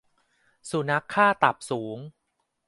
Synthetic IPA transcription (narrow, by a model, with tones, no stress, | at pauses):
su˩˦na˦˥kʰːaː˥˩t̪a˨˩p̚suː˩˦ŋ